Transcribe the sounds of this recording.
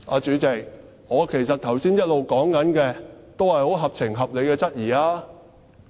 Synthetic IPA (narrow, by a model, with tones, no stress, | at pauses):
a̰ː˨˧t͡ʃyː˨˥t͡sɪ˨k̚ | ŋɔː˨˧kʰe˨˩jsɐ˨t̚t̪ʰɐ˨˩wsiː˥njɐ˥t̚lo˨wkɔː˨˥ŋkɐ˨˥nkɛː˧t̪o˥whɐ˨jho˨˥wɦɐ˨p̚t͡sʰɪ˨˩ŋɦɐ˨p̚le˨˧jkɛː˧t͡sɐ˥t̚jiː˨˩aː˥